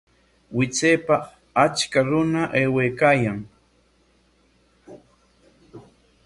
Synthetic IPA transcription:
wɪt͡seːpa | at͡ʃkaɾʊnaʔeːweːkaːjaŋ

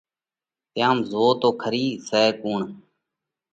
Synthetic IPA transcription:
t̪ɪjaːmzoːt̪oːkʰəɾiːsɛːkuːɳ

